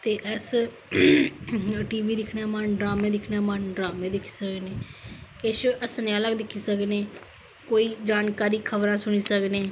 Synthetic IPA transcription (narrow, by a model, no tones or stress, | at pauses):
t̪eːʔɛs | ʈiːʋiːd̪ɪkʰnaːmaːnɖɾaːmẽːd̪ɪkʰnaːmaːnɖɾaːmẽːd̪ɪkʰi̥ːsəkneːkɪʃəsneələɡd̪ɪkʰːiːsəkneː | koːiːd͡ʒaːnkaːɾiːkʰəbɾãːsʊɽ̃iːsəkneː